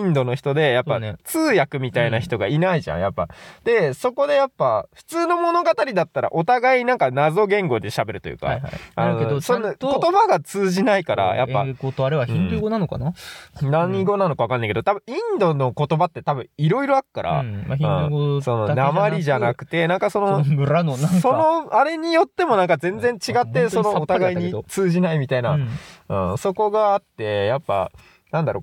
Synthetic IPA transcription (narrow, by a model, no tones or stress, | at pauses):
ĩnd̪o̞no̞çi̥t̪o̞d̪e̞japːat͡sɨːjakɯ̟mʲit̪ainaçi̥t̪o̞ɡainaiʑã̰ɰ̃japːa̰d̪e̞so̞ko̞d̪e̞japːaɸɯ̥t͡sɨːno̞mo̞no̞ɡat̪aɾʲid̪at̪ːaɾa̰ʔo̞t̪aɡaiɲnãŋkanazo̞ɡẽ̞ŋɡo̞d̪e̞ɕabe̞ɾɯ̟t̪ojɯ̟̰ːka̰anosonko̞t̪o̞baɡat͡sɨːʑinaikaɾa̰jʔa̰pːaɡot̪oaɾɯβaçĩɡonanoka̰nanãɲːĩɡo̞nanokaβakanːẽiked̪ot̪abɯ̟̃ĩnd̪o̞no̞ko̞t̪o̞bat̪ːe̞t̪abɯ̟̃iɾo̞iɾo̞akɯ̥kːaɾʔa̰aɯ̃ɡoso̞no̞namaɾʲiiʑanakɯ̟̥t̪e̞nãŋkaso̞nooɾanoaso̞noaɾe̞ɲ̟ijo̞t̪ːe̞mo̞nãŋkazẽ̞nd͡zẽ̞ɲt͡ɕiɡat̪ːe̞sonoːt̪aaɡaiɲit͡sɨːʑinaimʲit̪ainaɯ̃ːso̞ko̞ɡaːt̪ːe̞japːa̰ | nãnd̪aɾo̞̰